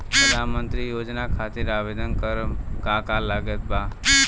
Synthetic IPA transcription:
pɾəd̪ʱanmənt̪ɾijoːd͡ʒnakʰat̪ɪɾaʋed̪ʱənkəɾkakalaɡət̪̚ba

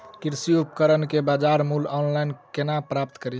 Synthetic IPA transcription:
kiɾsiupkəɾənkebad͡ʒaɾmulɔnlajnkenapɾap̚t̪kəɾi

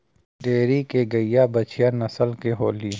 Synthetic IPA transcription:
ɖeːɾikeɡɐijabɐt͡ʃʰɪjanɐsəlkeɦoːliː

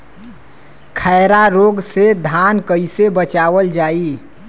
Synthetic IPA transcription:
kʰəːɾaɾoːɡsed̪ʱankəɪsebət͡ʃaːʋəld͡ʒaːi

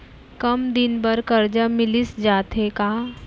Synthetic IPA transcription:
kɐmd̪ɪnbɐɾkɐɾd͡ʒamɪlɪsd͡ʒaːt̪ɦekaː

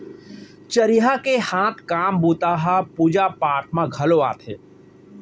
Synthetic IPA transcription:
t͡ʃɐɾɪjɦakehãːt̪ʰkaːmbuːt̪aːɦapuːd͡ʒapaːʈʰmãɡʱɐloaːt̪ʰḛː

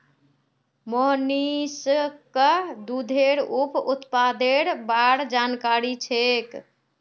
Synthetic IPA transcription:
moɦniskəd̪ud̪ʱeɾuput̪pad̪eɽbaɽd͡ʒankaɾit͡ʃʰek

